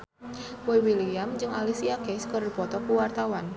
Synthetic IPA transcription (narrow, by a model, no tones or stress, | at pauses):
wajwiliamd͡ʒɨŋalisiakɛskəɾdipɔt̪ɔkuwart̪awan